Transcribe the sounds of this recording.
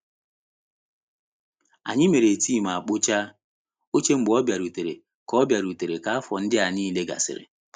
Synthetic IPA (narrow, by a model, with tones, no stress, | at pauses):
a̰˨ɲɪ˦me˨ɾe˨tiː˦˨ma˨a˨k͡pʊ˦t͡ʃa˦ | o˦t͡ʃe˦ŋ͡m̩˦ɡ͡bɔ˦bja˨ɾu˨te˨ɾe˨ | kɔ˦bja˨ɾu˨te˨ɾe˨ka˨a˦fɔ˨n̩˦dɪ˦a˨niː˦le˦ɡa̰˨sɪ̰˨ɾɪ̰˨